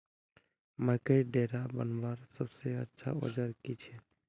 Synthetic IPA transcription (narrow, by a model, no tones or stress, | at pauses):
məɾkeʈɖeːɾabə̰nʋaːɾsəbseə̰tːʃʰa̰o̰d͡ʒəɾkit͡ʃʰe